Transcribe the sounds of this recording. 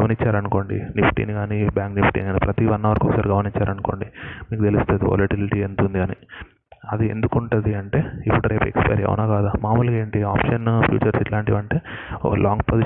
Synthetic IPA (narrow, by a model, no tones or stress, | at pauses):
ɐmɐnit͡ʃːaːɾɐnuko̞ːɳɖḭnipʈḭːniɡaːnibjaːŋknipʈḭaːnipɾɐt̪iʋɐnːɐʋɐɾɐkokɐsaːɾiɡɐmɐniɲt͡ʃːaːɾɐnukoːɳɖimiːkut̪e̞list̪ud̪iʋo̰lɐʈiliʈie̞nt̪und̪iɡaːnḭ | ɐd̪ie̞̰nd̪ukuɳʈund̪iɐɳʈe̞ːipːuɽuɾeːpḛkspɐ̰jɐɾɐ̰ʋṵnaːɡaːd̪aːmaːmuːlke̞ːɳʈiaːpʂɐnpʰjṵːt͡ʃɐɾsiʈlaːɳʈiʋɐɳʈe̞ːkɐlʔaːŋɡpozi